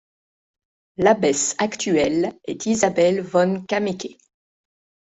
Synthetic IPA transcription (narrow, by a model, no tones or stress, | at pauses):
labɛsakt̪yɛlɛt̪ʰizabɛlvɔnkʲamekʲe